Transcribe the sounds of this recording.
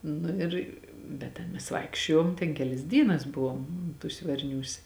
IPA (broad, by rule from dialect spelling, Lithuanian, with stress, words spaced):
ˈnʊ ɪr bʲɛt ˈtʲɛn mʲɛs ˈʋɐɪkʃʲt͡ʃʲoːjoːm tʲɛn ˈkʲæːlʲɪs ˈdʲiːnɐs ˈbʊʋoːm tuːsʲ ʋɐrʲˈnʲuːsʲ